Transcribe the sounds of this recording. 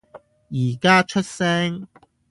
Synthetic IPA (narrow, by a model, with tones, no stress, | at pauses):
jiː˨˩kaː˥t͡ʃʰɵ˥t̚sɛː˥ŋ